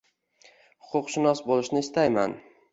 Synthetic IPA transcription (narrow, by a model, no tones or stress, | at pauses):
hʊ̥qʰʊqʃɪnɒsbolˠɪʃnɪɪst̪ʰajma̰n